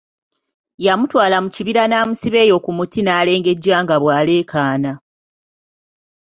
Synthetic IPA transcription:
jamutwaːlamuciβiɾanaːmusiβe̞ːjo̞kumutinaːle̞ːŋɡe̞ɟːwaːŋɡaβwaːle̞ːkʰaːna

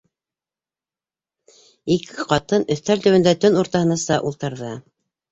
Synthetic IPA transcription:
ikʰɘ̥qɑt̪ɤnɵ̆θt̪ælt̪ɵwɘ̆nd̪æt̪ɵnuɾt̪ɑhɤ̆nɑsɑʔulˠt̪ɤ̆ɾðɤ

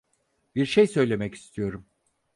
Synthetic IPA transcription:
biɾʃejsø̞jlʲe̞mɛci̥st̪ʰijo̞ɾum

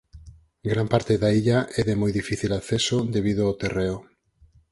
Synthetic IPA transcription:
ɡɾampaɾt̪eðaiʎaʔɛðemojðifiθilaθesʊd̪eβiðʊawt̪ereʊ

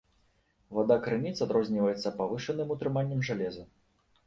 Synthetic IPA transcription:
vad̪akɾɨnʲit̪sad̪ɾɔzʲnʲivɐjɛt̪sːɐpavɨʂɨnɨmut̪ɾɨmanʲːɐmʐalʲɛzɐ

